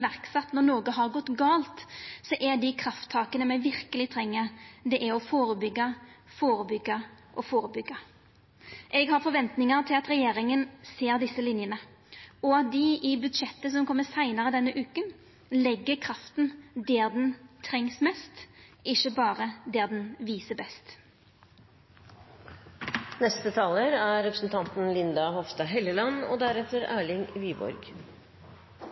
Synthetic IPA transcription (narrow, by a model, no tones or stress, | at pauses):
æɾksɛt̪ːnɔɾnoːɡəɦɑɾɡɔt̪ːɡɑːlt̪sɔʔɛɖ̪ɪkʰɾɑft̪ʰːɑːkənəmæɪʋɪɾkəlɪt̪ʰɾɛŋːəɾd̪ɛʔæɾɔfoːɾəbʏɡːɑfoːɾəbʏɡːɑʔɔfoːɾəbʏɡːɑ | ʔɛɡɦɑɾfɔɾʋɛnt̪nɪŋɑɾt̪ʰɪlɑt̪ɾɛjeːɾɪŋənseːɾd̪ɪsːəlɪnjənə | ɔɑt̪̚d̪ɪʔɪbʉd̪ʂɛt̪ːəs̬ɔmkʰɔmːəsæɪnɑɾəd̪ɛnːəʔʉːkən | lɛɡːəɾkʰɾɑft̪n̩d̪eːʁd̪ɛnt̪ʰɾɛŋsmɛst̪ʔɪʃəbɑːʁəd̪eːʁd̪ɛnʋiːsəbɛst̪ | nɛst̪ət̪ʰɑːləɾæɾɛpɾəsn̩t̪ʰɑnt̪n̩lɪnd̪ɑhɔfst̪ɑɦɛləlɑnɔ̰d̪æɾɛt̪ːəɾæːɭɪŋʋiːbɔ̰ɾɡ